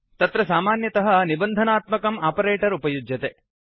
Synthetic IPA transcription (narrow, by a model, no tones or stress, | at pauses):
t̪ɐt̪ɾɐsaːmaːnjɐt̪ɐɦɐ̆nibɐnd̪ʱɐnaːt̪mɐkɐmaːpɐɾeːʈɐɾupɐjud͡ʒjɐt̪e